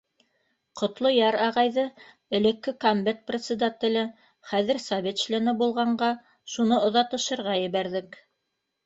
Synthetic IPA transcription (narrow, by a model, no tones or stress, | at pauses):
qŏt̪lˠojɑɾɑʁɑjðɤ | ɘ̆lɘ̆kːɘkombet̪̚prʲet̪sɘ̆d̪at̪ʲɘ̆lɘ | χæðɘ̆ɾsɑβʲet̪ʃlænɘbulˠʁɑɴɢɑ | ʃunɤŏðɑt̪ɤ̆ʃɤ̆ɾʁɑjɘ̆βæɾðɘk